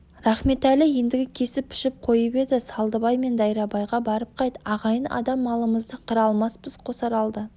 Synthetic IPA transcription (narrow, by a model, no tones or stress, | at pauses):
ɾɑχme̞t̪ælɪje̞nd̪ɪɡʲɪkʲʰe̞sɪpʰːɪ̥ʃɪp̚qʰo̞jəpe̞d̪ɪsɑlˠd̪əbɑjme̞nd̪ɑjɾɑbɑjʁɑbɑɾəp̚qʰɑjt̪əɑʁɑjənɑ̰d̪ɑmːɑlˠəməzd̪əqʰəɾɑlˠmɑsbəzqʰo̞sɑɾɑlˠd̪ə